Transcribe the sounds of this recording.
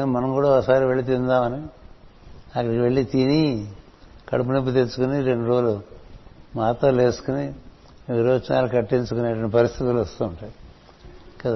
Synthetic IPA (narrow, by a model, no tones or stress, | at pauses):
mɐnɐŋkuːɽaɔkɐsaːɾiʋe̞ɭːit̪ind̪aːmɐni | ɐkːɐɽikʋe̞ɭːit̪ini | kɐ̰ɽup̬unep̬ːut̪̬et͡ʃːukuniɾeɳɖuɾoːlu | maːt̪ɐːle̞ːsu̥kuni | ʋiɾoːt͡ʃɐna̰ːlukɐʈːiɲt͡ʃukuneːʈɐʋɐɳʈipɐɾist̪ʰit̪ulɐst̪uːɳʈɐj | kɐt̪